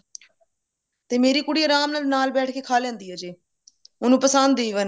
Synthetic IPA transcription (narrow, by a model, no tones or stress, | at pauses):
t̪eːmeːɾiːkʊɽiːəɾaːmnaːlnaːlbɛːʈʰkeːkʰaːlɛ̃ːnd̪iːɦɛːd͡ʒeː | ʊnũːpəsənd̪eːiʋən